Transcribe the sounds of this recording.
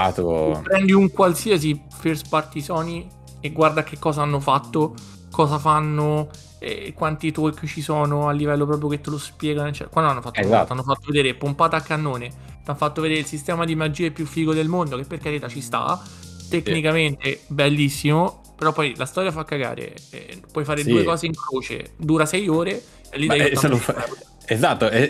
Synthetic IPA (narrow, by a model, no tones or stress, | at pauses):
t̪pɾɛnd̪iuŋkwalsias̬i | ferspart̪isɔːni | eɡward̪ak̟ːekːɔːzaanːofat̪ːo | kɔːzafanːo | ɛ̰kwant̪it̪okːt͡ʃisɔːnoalːivɛlːop̬ɾɔpɾjoket̪ːelospjɛːɡanoet͡ʃːɛ̰kwand̪oanːofat̪ːat̪ːanːofat̪ːoved̪eːɾepompaːt̪aːkːanːoːne | t̪anfat̪ːoved̪eːɾeilsist̪ɛːmad̪imad͡ʒiːepjufːiːkod̪elmond̪okepːerkeɾet̪at͡ʃist̪a̰t̪ekːnikament̪ebelːisːimo | peɾɔpːɔjlʔast̪ɔːɾjafakːaɡa̰ːɾḛɛ̰pwɔjfaːɾed̪uːekɔːzeiŋkɾoːt͡ʃḛd̪uːɾasɛjoːɾe | ɛlːid̪ɛːjoa | ezat̪ːoɛ